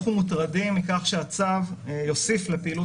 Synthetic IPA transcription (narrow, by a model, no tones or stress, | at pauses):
χumutʁadimikaχʃeat͡savjo̞sifle̞peiːlu